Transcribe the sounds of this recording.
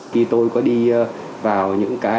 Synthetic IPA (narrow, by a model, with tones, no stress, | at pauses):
xi˧t̪o˧jkɔ˨˦ɗi˧ | vaː˨˩wɲɨ̰˧˥ŋkaː˨˦